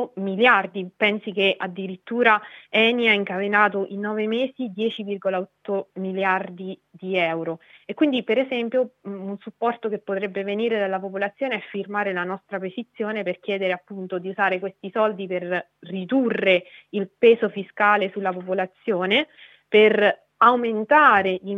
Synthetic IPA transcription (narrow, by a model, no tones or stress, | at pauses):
miljard̪ipɛnsikeʔad̪ːiɾit̪ːuːɾaɛːniaiŋkavenaːt̪oʔinːɔːvemeːzid̪jɛːt͡ʃivirɡolaɔt̪ːomiljard̪id̪iɛwɾoekːwind̪ipeɾezɛmpjounsupːɔrt̪ok̟epːot̪ɾɛbːeveniːɾed̪alːapopolat̪sːjoːneɛfːirmaːɾelanɔst̪ɾapezit̪sːjoːneperk̟jɛːd̪eɾeapːunt̪od̪iuzaːɾekwest̪isɔld̪iper | rid̪urːeilpeːzofiskaːlesulːapopolat̪sːjoːne | per | awment̪aːɾei